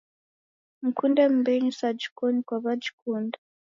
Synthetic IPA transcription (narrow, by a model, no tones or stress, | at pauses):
m̩kundɛm̩bɛɲisad͡ʒikɔɲikwaβad͡ʒikunda